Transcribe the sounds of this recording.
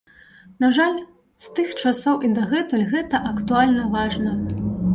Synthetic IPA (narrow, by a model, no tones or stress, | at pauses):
naʐalʲ | st̪ɨxt͡ʂasɔwʔid̪ɐɣɛt̪uɣɛt̪ɐʔɐkt̪ualʲnɐvaʐnɐ